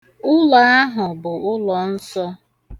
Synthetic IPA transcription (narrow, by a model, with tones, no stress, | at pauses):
ʊ˦la˨a˦ɦʊ˨bʊ˨ʔʊ˦lɔ˨n̩˦sɔ˦